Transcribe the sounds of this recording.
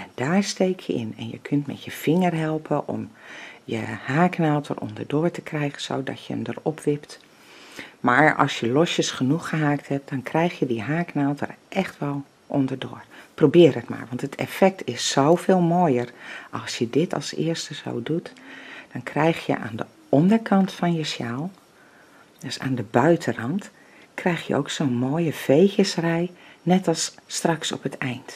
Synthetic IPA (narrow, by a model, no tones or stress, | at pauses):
ɛnd̥aːɹsteːkʰjəɪ̰nɛ̰njə̰kʰøntmɛ̰tjəfɪŋərɦɛlˠpʰəʔɔ̰mjə̰haːknaːlˠtʰə̰rʔɔ̰ndəɹdoːəɹtəkrɛjɣənz̥o̰wdɔ̰tjəə̰mdərɔpʰʋɪpt | maːɹɔ̰lˠsjəlɔsjəsχənuxəɦaːk̚thɛp̚d̥ɔnkrɛjxjədiɦaːknalˠtʰə̰rʔɛxtʋɛlˠ | ʔɔndərdoərprowbɪːəɾətma̰ːɹʋɑntətʰɛ̰fɛk̚tʰɪsːowfeːlˠmoːjərʔɑlˠsjədɪtʰɑ̰lˠsɪ̰ərstəzo̰ːdutd̥ɔnkrɛjxjə̰ʔa̰ːndə | ɔndərkʰɑntfɔnjəsjalˠ | døsa̰ːndəbœɥtʰərɑnt | krɛjxjə̰ʔo̰wksoːnmoːjəv̥ejxjəsrɛjnɛtɑlˠsːtrɑksɔ̰pətɛjnt